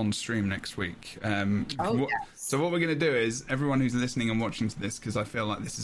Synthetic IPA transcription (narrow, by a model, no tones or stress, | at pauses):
nstɹ̥ĩmnɛkst̚wiˑkʌ̃m | soʊwʌʔ̚wəɹɡʌnɨdɨɪzɛvɹiwʌ̃nhʉzlɪsnɪ̃ŋə̃nwɒt͡ʃɪ̃ŋtʰəðɪskʰʌzaɪfilaɪk̚ðɪsɪz